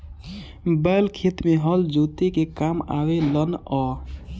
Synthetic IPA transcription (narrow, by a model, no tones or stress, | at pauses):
bɛːlkʰeːt̪mẽɦɔld͡ʒuːt̪ekekaːma̰ːwelənɔː